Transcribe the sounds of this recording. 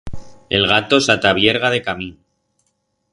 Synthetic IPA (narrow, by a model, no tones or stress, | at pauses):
e̞lɣat̪o̞sat̪aβ̞je̞ɾɣ̞að̞e̞kamin